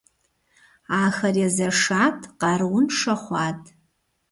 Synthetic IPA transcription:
aːxɐrjazɐʂatʰqɑɾwʊnʂaχʷatʰʼ

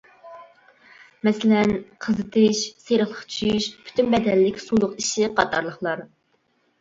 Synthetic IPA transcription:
mɛsɪlɛnqʰəzɨt̪ʰɪʃseɾəχlˠəqt͡ʃʰyjyʃpʰy̥t̪ʰynbɛd̪ɛlːɪkʲsulˠʊqiʃiɪqʰɑt̪ʰɑɾlˠəχlˠɑɾ

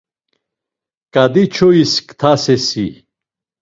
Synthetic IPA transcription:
kad̪it͡ɕʰoiskt̪ʰasesi

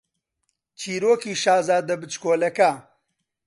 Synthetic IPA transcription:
t͡ʃʰiːɾoːkiːʃaːzaːd̪ɐbɨt͡ʃkoːlɐka

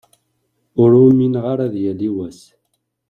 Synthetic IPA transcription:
ʊɾuminʁaɾæðjæliwæs

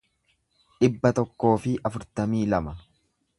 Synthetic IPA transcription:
ᶑɪbːɐt̪ɔkːo̞ːfɪʔɐfʊɾt̪ɐmiːlɐmɐ

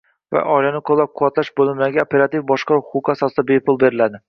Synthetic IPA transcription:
va̰ʔɒjlanɪqʰolˠːap̚qʰʊwat̪laʃbolɪmlaɡʲaopeɾat̪ifbɒʃqɑʊχʊqasɒsɨd̪abepʰʊlˠbeɾɪlad̪ɪ

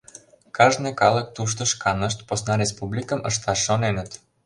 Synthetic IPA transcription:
kʰɑʒnɛkɑlˠək̚t̪uʃ̬t̪ə̆ʃkʰɑnəʃ̬t̪posnaɾes̬publikəmʔəʃt̪ɑʃonenət̪

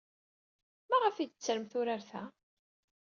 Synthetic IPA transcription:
mæʁəfid̪ət͡sːəɾəmθʊɾaɾθæ

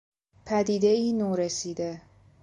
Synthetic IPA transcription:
pʰæd̪iːd̪e̞iːnoːɾesiːd̪e̞

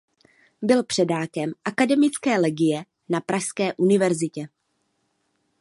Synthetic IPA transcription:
bɪlpr̝̥ɛdaːkɛmʔakadɛmɪt͡skɛːlɛɡɪjɛ | napɾaʃskɛːʔunɪvɛɾzɪcɛ

